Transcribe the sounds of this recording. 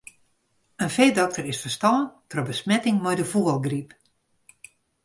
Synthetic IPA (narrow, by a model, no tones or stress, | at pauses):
ənfeːdɔk̚tərɪsfərstɔːəntrəbəsmɛtɪŋmɔjdəfuɔlˠɡrip